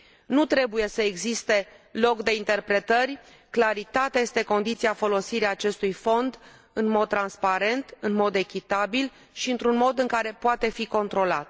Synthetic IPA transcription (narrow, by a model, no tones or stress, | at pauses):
nut̪ɾe̞buje̞səeɡzist̪e̞lo̞kd̪e̞int̪e̞rpɾe̞t̪ərʲ | klaɾit̪at̪eaje̞st̪e̞ko̞nd̪it̪siafo̞losiɾiaːt͡ʃe̞st̪ujfo̞nd̪ | ɨnmo̞d̪̚ːɾanspaɾe̞nt̪ɨnmo̞d̪e̞kʲit̪abil | ʃiɨnt̪ɾunmo̞d̪ɨŋkaɾe̞poat̪e̞fiko̞nt̪ɾo̞la̰t̪